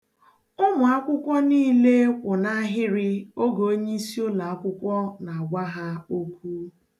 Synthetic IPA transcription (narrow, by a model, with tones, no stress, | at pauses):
ʊ˦mʊ˨a˦kʷʊ˦kʷɔ˦niː˦le˦kʷʊ˨na˦a˦ɦɪ˦ɾɪ˦o˦ɡo˨o˦ɲe˦i˦si˦o˦la˨a˦kʷʊ˦kʷɔ˦na˨a˨ɡʷa˦ɦa˦o˦kʷu˦